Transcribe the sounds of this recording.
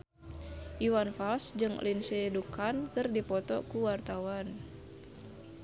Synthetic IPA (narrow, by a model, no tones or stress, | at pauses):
ʔiwanfalsd͡ʒɨŋlinsɛdukankɨrdipɔt̪ɔ̰kuwart̪awan